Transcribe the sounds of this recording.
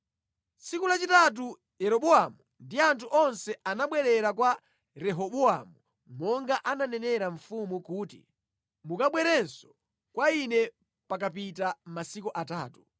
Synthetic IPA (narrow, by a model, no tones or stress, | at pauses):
sikulat͡ʃitat̬u | jɛɾɔɓɔamundiantʰuʔɔnsɛanaɓwɛɾɛɾakwa | ɾɛɦɔɓua̰mu | mɔŋɡaʔananɛnɛɾaɱfumukuːtḭ | mukaɓwɛɾɛnsɔ̥ | kwainɛ | pak̬ap̬it̬amasikuʔataːtu